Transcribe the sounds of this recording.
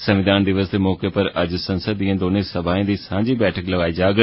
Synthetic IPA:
səʋɪd̪aːnɖ̪ɪʋəsd̪eːmɔːkeːpəɾəd͡ʒsənsəd̪ijãːd̪oːnẽːsəbʱaːẽːd̪iːsãːɲd͡ʒiːbɛːʈʰəkləɡaːiːd͡ʒaːɡ

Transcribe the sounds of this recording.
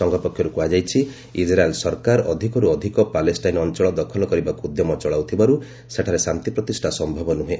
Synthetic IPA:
ɔŋɡʱɔpɔkʰjɔɾukuad͡ʒajt͡ʃʰi | id͡ʒɾaelsɔɾkaɾɔd̪ʱikɔɾuɔd̪ʱikɔpalesʈajnɔnt͡ʃɔɭɔd̪ɔkʰɔlɔkɔɾibakuud̪jɔmɔt͡ʃɔɭawt̪ʰibaɾu | seʈʰaɾesamt̪ipɾɔt̪isʈʰasɔmbʱɔbɔnuɦe

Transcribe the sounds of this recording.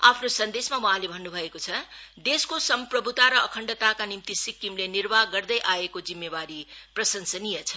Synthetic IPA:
apʰnosʌnd̪esmawʌ̃ɦãlebʱʌnːubʱʌekot͡sʰʌd̪eskosʌmprʌbʱut̪aɾʌːkʰʌɳɖʌt̪akanimt̪isikːimlenirbaɡʌrd̪ʌjʔaekod͡zimːebaɾiprʌsʌnsʌnijʌt͡sʰʌ

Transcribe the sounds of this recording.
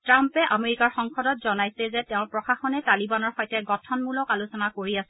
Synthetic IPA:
tɹampɛʔameɹikaɹxɔŋxɔdɔtzɔnajsɛzɛtɛʊ̃pɹɔxaxɔnɛtalibanɔɹxɔjtɛɡɔtʰɔnmulɔkalusɔnakoɹiasɛ

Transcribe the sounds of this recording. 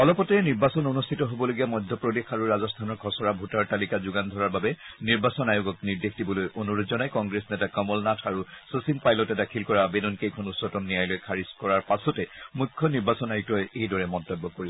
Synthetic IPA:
ɔlɔpɔtɛniɹbasɔnonustʰitɔɦobɔloɡijamɔjdʱjɔpɹodexaɹuɹazɔstʰanɔɹkʰɔsɔɹabʱutaɹtalikazuɡand̪ʱɔɹaɹbabɛniɹbasɔnajuɡɔk̚niɹdexdibɔlojʔonuɹozɔnajkɔŋɡɹesnɛtakɔmɔlnatʰaɹusosimpajlɔtɛdakʰilkɔɹabedɔnkejkʰɔnusɔtɔmnijajlojkʰaɹiskɔɹaɹpasɔtɛmujkʰːɔniɹbasɔnajukɔjejdɔɹɛmɔntɔbːɔkoɹibɔ

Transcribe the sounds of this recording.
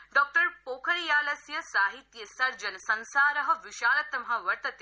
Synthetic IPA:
ɖɔːk̚ʈɐɾpoːkʰɐɾjaːlɐsjɐsaːɦit̪jɐsɐɾd͡ʒɐnsɐnsaːɾɐɦɐ̆ʋiʃaːlɐt̪ːɐmɦãʋɐɾt̪ɐt̪e

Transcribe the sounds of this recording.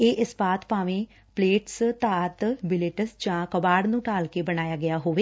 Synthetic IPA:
eːʔɪspaːt̪paːʋẽː | pleːʈst̪aːt̪bɪleːʈəsd͡ʒãːkəbaːɽnũːʈaːlkeːbəɽ̃aːjaːɡɪjaːɦoːʋeː

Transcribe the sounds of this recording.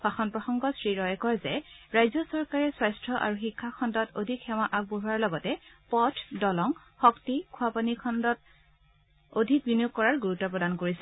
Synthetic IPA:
paxɔnpɹɔxɔŋɡɔsɹiɹɔjɛkɔɹzɛɹajzɔsɔɹkaɹɛswajstɹɔʔa̰ɹuxikʰːakʰɔndɔtodʱikʰxɛwaʔak̚boɦuaɹlɔɡɔtɛpɔtʰdɔlɔŋ | xɔktikʰuapanikʰɔndɔt̚ | odʱik̚binjuk̚kːɔɹaɹɡuɹutːɔpɹɔdankoɹisɛ

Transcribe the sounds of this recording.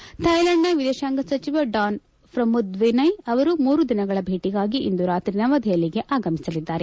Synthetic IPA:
t̪ʰɐjlɐɳɖːɐʋid̪eʃaːŋɡɐsɐt͡ʃiʋɐɖaːn | pɾɐmud̪ʋinɐjɐʋɐɾumuːɾud̪inɐɡɐɭɐbʱe̞ːʈiɡaːɡiʔḭnd̪uɾaːt̪ɾinɐʋɐd̪ʱɛjɐliɡe̞ʔaːɡɐmisɐlid̪ːaːɾe

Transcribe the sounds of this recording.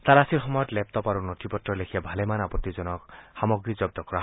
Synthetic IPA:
t̪aɾasiɾɦɔmɔjɔt̪lep̚t̪ɔpaɾunɔt̪ʰipɔt̪ɾɔlekʰijabʱalemanapɔt̪ːid͡ʒɔnɔkhamɔɡɾid͡ʒɔb̚d̪ɔkɔɾaɦ

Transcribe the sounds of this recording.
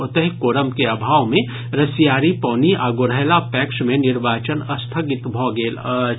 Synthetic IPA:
ʊt̪əɦɪkoːɾəmkeabʱaːʋmẽ | ɾɐsijaːɾipɔːniaɡoɾəɦlapɛːkʃmẽnɪɾʋaːt͡ʃənɐst̪ʰəɡɪt̪bʱɔɡeːl

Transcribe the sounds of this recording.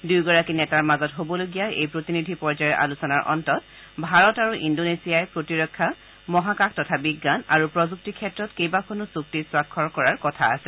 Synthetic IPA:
dujɡɔɹakinɛtaɹmazɔtɦobɔloɡijaḛjpɹotinidʱipɔɹzajɔʔa̰lusɔnaɹʔɔ̰ntɔt | bʱaɹɔtaɹuʔindonesijajpɹotiɹɔkʰːa | mɔɦakakʰtɔtʰabiɡːana̰ɹupɹɔzuk̚tikʰɛtːɹɔtkejbakʰonɔsuk̚tiswakʰːɔɹkɔɹaɹkɔtʰa̰ːsɛ

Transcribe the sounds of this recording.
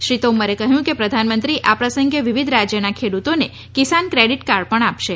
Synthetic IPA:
ʃɾit̪oməɾekəɦjũkepɾəd̪ʱanmənt̪ɾiʔapɾəsəŋɡeʋiʋid̪ʱɾad͡ʒjənakʰeɽut̪one | kisankɾeɽiʈkaɾpəɳapʃe

